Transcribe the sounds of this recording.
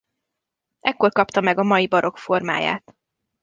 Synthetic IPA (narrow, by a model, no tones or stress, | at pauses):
ʔɛkːo̞rkɒpt̪ɒmɛɡɒmɒjibɒɾʔo̞kfo̞rma̰ːja̰ːt̪